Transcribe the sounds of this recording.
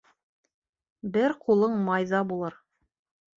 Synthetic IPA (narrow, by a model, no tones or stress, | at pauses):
bɘɾqulˠɤɴmɑjðɑbulˠɤɾ